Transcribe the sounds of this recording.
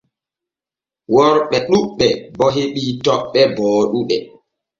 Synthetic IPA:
wɔɾɓɛɗuɓːɛbɔɦeɓiːtɔɓːɛbɔːɗuɗɛ

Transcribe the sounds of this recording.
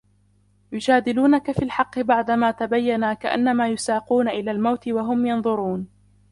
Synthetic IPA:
jʊd͡ʒaːd̪ɪluːnakafiːlħɑqːɨbaʕd̪amaːt̪abajːanakaʔa̰nːamaːjʊsaːquːnaʔɪlaːlmawt̪ɪwaɦʊmjɑnðˤʊɾuːn

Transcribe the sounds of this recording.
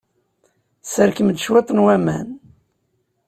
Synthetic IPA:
səɾkəmd̪ʃwet̪ˤnwæmæ̰n

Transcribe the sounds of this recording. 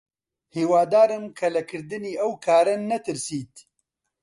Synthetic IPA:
hiːwaːd̪aːɾɨmkʰɐlɐkʰɨɾd̪ɨniːɐwkʰaːɾɐnːɐt̪ɨɾsiːt̪̚

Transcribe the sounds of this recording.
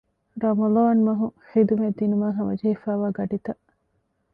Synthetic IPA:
ɾɐmɐloːnmɐɦuχid̪umed̪ːinumaːɦɐʋɐ̰d͡ʒɐɦefæːʋaːɡɐɖit̪ɐʔ

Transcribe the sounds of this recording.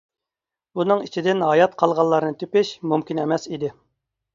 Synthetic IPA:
unɨŋit͡ʃʰid̪ɪnɦɑjɑt̪qʰɑlˠʁɑlˠːɑɾɨnɨt̪ʰøpɪʃmumkʲinɛmɛsid̪ɪ

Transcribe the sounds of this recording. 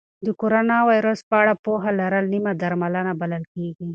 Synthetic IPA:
d̪əkoɾonɑwajɾəspəaɽapoɦalaɾəlnimad̪aɾmalənabaləlkeɡi

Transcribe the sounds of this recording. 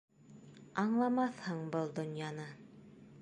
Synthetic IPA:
ɑɴlˠɑmɑθhɤɴbɤlˠd̪ŏnjɑnɤ

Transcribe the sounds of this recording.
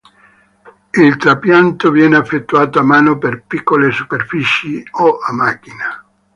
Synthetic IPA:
ilt̪ɾapjant̪ovjɛːneafːet̪ːuaːt̪oamaːnoperpikːolesuperfit͡ʃioʔamːak̟ːina

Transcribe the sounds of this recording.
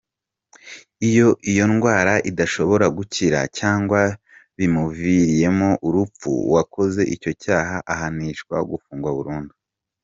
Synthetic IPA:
ijo̞ʔijo̞nɡwaːɾaʔidaʃo̞βo̞ɾaɡuciɾa̰caːŋɡwa | βimuviɾije̞mo̞ʔuɾup͡fṵwako̞ze̞ʔico̞caːɦaʔahaniʃkwaoɡufuːŋɡwaβuɾuːndu

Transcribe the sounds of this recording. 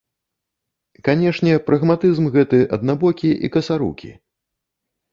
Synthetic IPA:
kanʲɛʂnʲɛpɾɐɣmat̪ɨzmɣɛt̪ɨʔɐ̰d̪̚nabɔkʲiʔḭkɐsaɾṵkʲḭ

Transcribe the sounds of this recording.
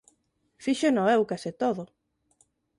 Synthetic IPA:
fiʃenoewkasɪt̪oðʊ

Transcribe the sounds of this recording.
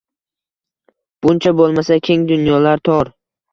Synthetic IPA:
b̥ʊnt͡ʃʰabolˠmasakʲʰe̞ŋd̪ʊnjɒlaɾt̪ʰɒɾ

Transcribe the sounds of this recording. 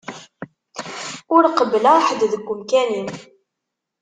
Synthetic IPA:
ʊɾqəblaħəd̪ðəɡʷːʊmkænin

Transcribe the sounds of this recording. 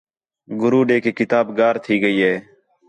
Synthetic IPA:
ɡʊɾuːɖeːkeːkɪt̪aːbɡaːɾt̪ʰiːɡəiːɦeː

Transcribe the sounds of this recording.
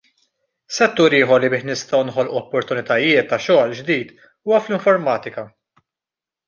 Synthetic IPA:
sɛt̪ːuːɾiːħɔɾlibɪːħnɪst̪ɐwnħɔlʔuɔpːɔɾt̪ʊnɪt̪ɐjɪːt̪ːɐʃɔːld͡ʒd̪iːt̪ | uːwɐflɪɱfɔɾmɐːt̪ɪkɐ

